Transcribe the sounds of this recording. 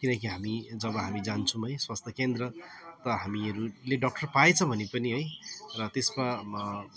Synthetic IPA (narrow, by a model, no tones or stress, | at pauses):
kinʌkiɦamid͡zʌbʌɦamid͡zant͡sʰũɦʌjswast̪ʰjʌkend̪rʌt̪ʌɦamiʌɾuleɖʌk̚ʈʌrpajt͡sʰʌ̃bʱʌnepʌniɦʌjrʌt̪esma